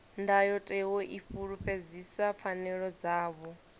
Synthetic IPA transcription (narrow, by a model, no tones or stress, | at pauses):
ndajɔtʼɛwɔʔiɸuɺuɸed͡zisap̪fʰanɛɺɔd͡zaːβɔ